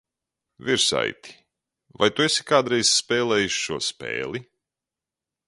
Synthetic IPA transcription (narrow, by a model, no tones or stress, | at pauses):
vʲiɾsa̰jt̪i̥ | vajt̪uesi̥kaːd̪ɾɛjz̥spɛːlˠɛːjuʃʃuɔspḛːlˠi